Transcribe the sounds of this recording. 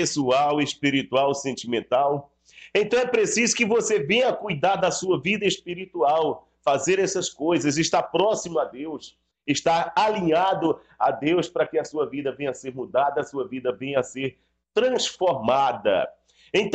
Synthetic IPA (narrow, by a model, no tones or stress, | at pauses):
esuawespiɾit̪uawsẽnt͡ʃimẽnt̪aw | ẽt̪ɐ̃w̃ɛpɾesizʊkɪvosevẽɲɐkujd̪aɾd̪ɐsuɐvid̪ɐeʃpiɾit̪uaw | fazeɾɛsɐskojzɐzɪʃt̪apɾɔsimʊad̪ews | ɪʃt̪aaliɲad̪ʊ | a̰d̪ewspɾɐkɪɐsuɐvid̪ɐvẽɲɐseɾmud̪ad̪ɐɐsuɐvid̪ɐvẽɲɐseɾ | t̪ɾɐ̃sfoɾmad̪ɐ̰ | ẽnt̪